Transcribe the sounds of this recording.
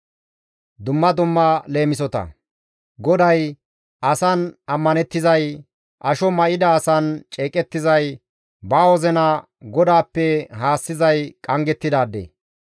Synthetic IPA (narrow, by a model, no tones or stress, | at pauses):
d̪ʊmːɐd̪ʊmːɐle̞ːmɪs̬ɔt̪ɐ̰ | ɡɔd̪ɐj | ʔɐsɐnɐmːɐnɛt̪ːɪzɐj | ʔɐʃɔmɐʔɪd̪ɐːsɐnt͡ʃʼe̞ːkʼɛt̪ːɪzɐj | baːwɔzɛnɐ | ɡɔd̪aːpːɛɦaːsːɪzɐjkʼɐŋɡɛt̪ːɪd̪aːd̪ːḛː